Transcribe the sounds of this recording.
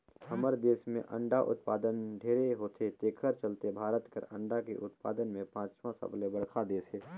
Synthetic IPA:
həməɾd̪eːsmḛ̃ʔə̰̃ɳɖaʔʊ̰t̪paːd̪ənɖʱeːɾeɦoːt̪ʰet̪eːkʰəɾt͡ʃəlt̪ebʱaːɾət̪kə̰ɾə̰̃ɳɖakḛʔʊt̪pa̰ːd̪ənmẽpãːt͡ʃmãsə̰blebəɽkʰad̪eːseː

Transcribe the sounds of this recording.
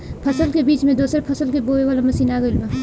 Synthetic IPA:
pʰɐsəlkebiːt͡ʃmẽd̪oːsɾepʰɐsəlkeboːeʋaːlamɐsiːnaːɡəɪlba

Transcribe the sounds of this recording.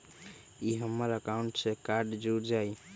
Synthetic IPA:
iɦəmːəɾəkauɳʈsekaɾɖd͡ʒuɾd͡ʒaj

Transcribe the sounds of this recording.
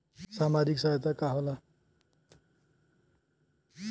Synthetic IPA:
samad͡ʒiksaɦet̪akaɦola

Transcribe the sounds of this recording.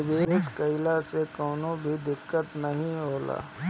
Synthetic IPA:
beːɪskɐɪlasekɔːnõbʱid̪ɪkːət̪nɐɦĩɦoːla̰ː

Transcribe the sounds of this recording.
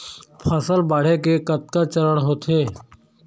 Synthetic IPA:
pʰəsəlbaːɽ̤ekekət̪̚kat͡ʃəɾəɽɦoːt̪ʰeː

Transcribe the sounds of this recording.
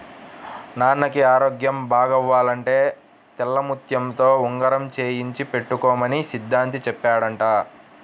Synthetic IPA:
naːnɐkiaːɾoːɡjɐmbʱaːɡɐʋːaːlɐɳʈe̞ː | t̪ɛlːɐmut̪jɐmt̪o̞ːuŋɡɐɾɐmt͡ʃe̞ːjiɲt͡ʃipe̞ʈːukɔːmɐnisid̪ʱːaːnt̪̬it͡ʃɛpːaːɽɐɳʈaː

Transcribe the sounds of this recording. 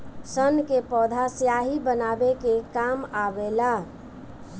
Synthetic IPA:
sənkepɔːd̪ʱasjaɦibənabekekaːmaʋela

